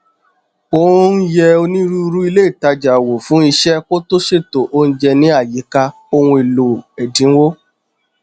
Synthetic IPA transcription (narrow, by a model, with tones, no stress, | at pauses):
o˦n̩˦jɛ˧o˧nĩ˦ɾu˦˧ɾu˦i˧le˦i˦˨ta˧d͡ʒa˨wo˨fũ˨˦i˧ʃɛ˦ko˦to˦ʃe˦˨to˨ʔo˧˦ñ̩˦d͡ʒɛ˧nĩ˨˦a˦˨ji˨˦ka˧ | o˧wũ˧e˨lo˨ɛ˨dĩ˨˦wo˦